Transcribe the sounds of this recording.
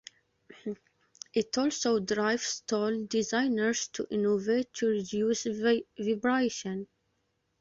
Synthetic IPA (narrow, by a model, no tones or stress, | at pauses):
ʔɪtɔlˠsodɹaɪvstʰɔldɪzãɪnəɹz̥tʰuʔɪ̃novetʰːuɹɪdjuːsvibɹeʃɔ̃n